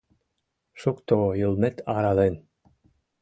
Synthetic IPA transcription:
ʃukt̪ojɯlˠnet̪ɑɾɑlen

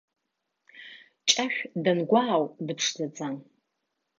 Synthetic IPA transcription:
t͡ʃʼɐʃʲʷᶣdɐnɡʷawdɨpʂdɐd͡zan

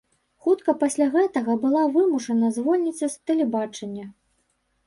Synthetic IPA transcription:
xut̪kɐpɐsʲlʲaɣɛt̪ɐɣɐbɨlˠavɨmuʂɐnɐzvɔlʲnʲisʲɐst̪ɐlʲɛbat͡ʂɐnʲːɐ

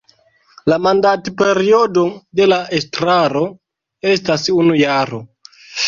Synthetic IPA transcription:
lamandatpe̞ɾio̞do̞de̞laʔestɾaɾo̞ | e̞stasunujaɾo

